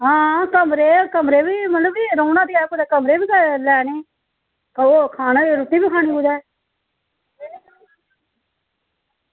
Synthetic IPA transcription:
ɦãːkəmɾeːkəmɾeːbiːmət̪ləbiːɾoːnãːd̪iːɛːkʊːd͡ʒɛːkəmɾeːbiːɡalɛːneː | koːkʰaːnaɾut̪iːbiːkʰaːñĩːbud͡ʒ̪ɛː

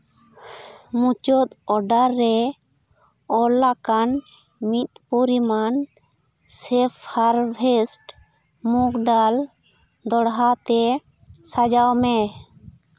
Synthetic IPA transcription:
mut͡ʃɔt̪ɔɖaɾːɛ | ɔlːakan | mit̪̚puɾiman | sɛpʰhaɾbʰʱɛsʈ | mukɖal | d̪ɔɽɦat̪ɛ | sad͡ʒawmɛ

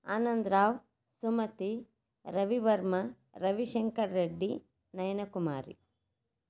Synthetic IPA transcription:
a̰ːnɐnd̪ɾaːw | sumɐt̪i | ɾɐʋiʋɐɾmɐ | ɾɐʋiʃɐŋkɐɾːeɖːi | nɐjɐnɐkumaːɾḭ

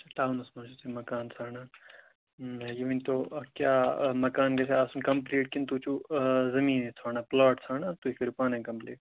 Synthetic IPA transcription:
ɐaʈaːwnɐsmaːt͡ʃusemɐkaːnsaːnaː | jiʋint̪okjaːmɐkaːnɡesʰeaːsunkɐ̃mpliːʈkint̪uːt͡ʃuzɐmiːnesʰaːnaːplaːʈsʰaːnaːt̪uifʰiɾpaːnẽkɐmpliːʈ

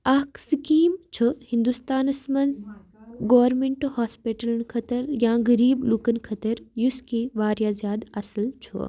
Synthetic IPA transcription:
ɐksikiːmt͡ʃʰuhĩnd̪ust̪aːnɐsmɐnz | ɡoːʋɾmeɳʈohaːspiʈəlɐnkʰɐt̪ɐɾjãːɡɐɾiːblukɐnkʰɐt̪ɐɾjuskiːʋaːɾjaːzjaːd̪ɐsəlt͡ʃʰṵ

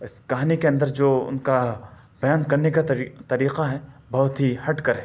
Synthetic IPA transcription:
ɪskɐɦaːnikeɐ̃nd̪əɾd͡ʒoːʊ̰nka | b̥ɐjaːnkɐɾnekat̪ɐɾiːqaɦɛbɐɦʊt̪ɦihɐʈkɐɾɦɛ̃

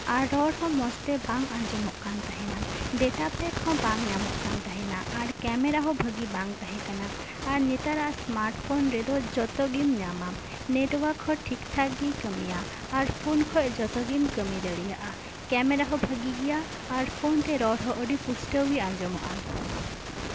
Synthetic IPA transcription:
aɾɾɔɽɦɔ̃mɔst̪ɛbãŋɡãd͡ʒɔmɔʔkant̪aɦɛnaɖɛʈapɛkʰɔ̃bãŋɲamɔʔkant̪aɦɛnaʔaɾkɛmɛɾaɦɔbʱəɡibãŋt̪aɦɛ̃kanaː | ɾɲɛt̪aɾaʔasmaɾʈpʰonɾɛd̪ɔd͡ʒɔt̪ɔɡimɲama | neʈwakʰɔ̃ʈʰikt̪ʰaɡikəmijaː | ɾpʰonkʰɔjd͡ʒɔt̪ɔɡimkəmid̪əɽijaʔa | kɛmɛɾaɦɔbʱəɡiɡijaː | ɾpʰont̪ɛɾɔɽɦɔ̃ʔəɖipusʈəwiãd͡ʒɔmɔʔa

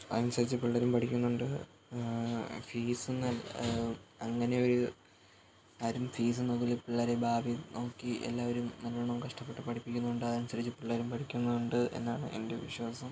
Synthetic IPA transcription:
ɐ̰ðɐnmsɐɾit͡ɕːɨpiɭːɐɾumpɐʈʰikʲːunːuɳɖɨ | fiːsɨnɐl | ɐŋːɐne̞o̞ɾu | ɐɾumfiːs̬ɨnoɡulipiɭːɐɾebaːbino̞ːkːiʔḛlːaːʋɐɾumnɐlbɐɳɐmkɐʂʈɐpːe̞ʈːɨpɐʈʰipːikʲːunːuɳɖɨɐðɐnsɐɾit͡ɕːɨpiɭːɐɾumpɐʈʰikʲːunːɐuɳɖɨe̞̰nːaːɳɨ̰ʔe̞̰nde̞ʋiɕwaːsɐm

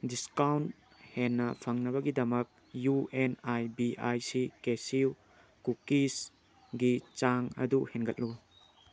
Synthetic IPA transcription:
diskawnt̚ | henːɐpʰaŋnɐβɐɡidɐmɐk̚ | juenajbiʔajsikesiw | kukis | ɡit͡ʃaŋɐ̰duhenɡɐt̚lu

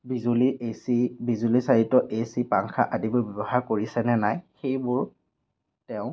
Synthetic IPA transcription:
bizuliesibizulisaɹitːɔʔesipaŋkʰa̰ʔadibɔbɔbɔhaɹkoɹisɛnɛnajxejbʊɹ | tɛʊ̃

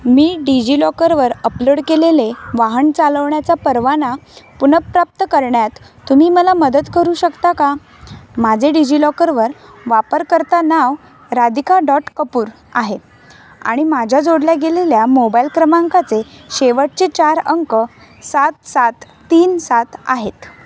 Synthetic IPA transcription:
miːɖid͡ʑilɔkəɾʋəɾəploɽkeleleʋaɦəɳt͡saləʋɳjat͡sapəɾʋanapunəpɾap̚t̪əkəɾɳjat̪ː | umiːməlaməd̪ət̪kəɾuːɕəkt̪aka | mad͡zʱeɖid͡ʑilɔkəɾʋəɾʋapəɾkəɾt̪anaʋ | ɾad̪ikaɖɔʈkəpuːɾ | a̰ɦe | a̰ɽ̃imad͡ʑʱjad͡zoɽljaɡeleljamobailkɾəmaŋkat͡seɕeʋəʈ̚t͡ɕet͡ɕaɾəŋkə | sat̪sat̪ːiːnsat̪a̰ɦet̪

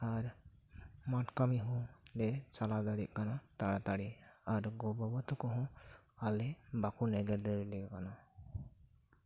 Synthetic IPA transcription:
aɾ | maʈkamiɦɔ̃dɛt͡ʃalad̪aɽiʔ̚ˀkanat̪aɽat̪aɽiaɾɡɔbɔbɔt̪ɔkɔɦɔ̃alɛbakunɛɡɛɾd̪ɔɾlɛkana

